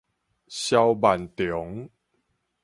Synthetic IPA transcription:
ɕja˧wba˨˩nt̪jɔ˨˦ŋ

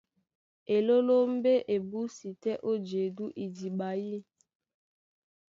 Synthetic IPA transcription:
e˨lo˦lo˦m̩˦be˦ʔe˨bu˦si˨tɛ˦ʔo˦d͡ʒe˨du˦ʔi˨d͡ʒi˨ɓa˨ji˦

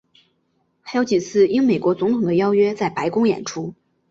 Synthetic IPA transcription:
xʰa˧˥ɪjo˧˥ʊt͡ɕi˨˩t͡sʰɹ̩˥˩i˥ŋme˨˩ɪkwɔ˧˥t͡sʊ˧˥ŋt̪ʰʊ˨˩ŋd̪ə˦jɑ˥ʊɥɛ˥t͡sa˥˩ɪpa˧˥ɪkʊ˥ŋjɛ̰˨˩nʈ͡ʂʰu˥

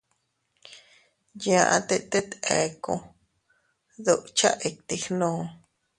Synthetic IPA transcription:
jã˧˨ʔã̰˧t̪e˦ʔt̪e˦t̪ḛ˧kõ̰˧ | ðo˧ʔt͡ʃa̰˦ʔe˧k̚t̪i˧xnõː˧˦

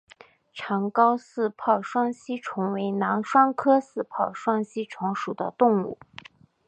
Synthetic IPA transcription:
ʈ͡ʂʰɑ˧˥ŋkɑ˥ʊsɹ̩˥˧pʰɑ˥˩ʊʂwɑ˥ŋɕi˥ʈ͡ʂʰʊ˧˥ŋwe˧˥ɪnɑ˧˥ŋʂwɑ˥ŋkʰɤ˥sɹ̩˥˧pʰɑ˥˩ʊʂwɑ˥ŋɕi˥ʈ͡ʂʰʊ˧˥ŋʂu˨˩d̪ə̰˦t̪ʊ˥˧ŋṵ˥˩

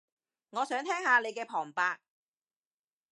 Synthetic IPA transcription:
ŋɔː˨˧sœː˨˥ŋt̪ʰɛː˥ŋhaː˨˧ne˨˧jkɛː˧pʰɔː˨˩ŋpaː˧k̚

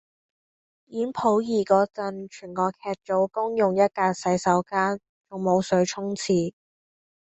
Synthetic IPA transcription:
jiː˨˥npʰo˨˥wjiː˨˩kɔː˧t͡sɐ˨˧nt͡ʃʰyː˨˩nkɔː˧kʰɛː˧t̚t͡ʃo˨˥wkʊ˥ŋjʊ˨ŋjɐ˥t̚kaː˧tsɐ˨˥jsɐ˨˥wkaː˥n | t͡sʊ˨ŋmo˨˧wsɵ˨˧˥ɥt͡ʃʰʊ˥ŋt͡sʰiː˧

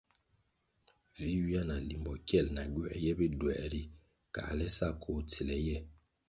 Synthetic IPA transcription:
vi˦wi˦a˦na˨li˨mbɔ˨kjɛ˦˨lna˨ɡɛ˦ɛ˦jɛ˦be˦dwɛ̰˨ɾi˦ | ka̰˨lɛ˦sa˦˨kʰo˦ti˨lɛ˨˦jɛ˦

